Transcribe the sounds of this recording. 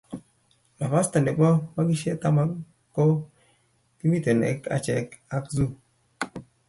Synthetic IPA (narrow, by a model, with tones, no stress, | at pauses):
la˨fa˦sta˨nde˨bɔ˦ma˦ɡɪ˦ʃɛ˦t̪a˦ma˦ | kːo˦ | ki˦mi˦t̪e˨nɛ̰˨ka̰˨t͡ʃɛ˨ka˦kzu˦